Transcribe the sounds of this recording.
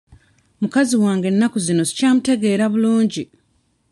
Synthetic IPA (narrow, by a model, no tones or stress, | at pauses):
mukaziwaːŋɡe̞nːakuzino̞zi̥caːmute̞ɡe̞ːɾaβuluːɲɟi